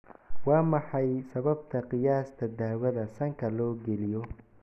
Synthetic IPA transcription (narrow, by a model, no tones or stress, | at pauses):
wɑːmɑħɑjsɐβɐbt̪ʰɐqɪjaːst̪ʰɐd̪aːwɐðɐsɐŋkʰɐlɔːɡɛlɪjɔ